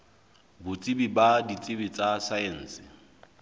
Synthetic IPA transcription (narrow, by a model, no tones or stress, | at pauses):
bʊt͡sʼɪbibadit͡sʼɪbit͡sʼasaɛn̩ːsɪ